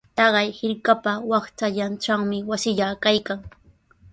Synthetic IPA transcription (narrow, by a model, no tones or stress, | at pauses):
t̪ɑɢɑjhɪɾkapawɑχt͡ʃaʎanʈ͡ʂaŋmɪwasɪʎakajkaŋ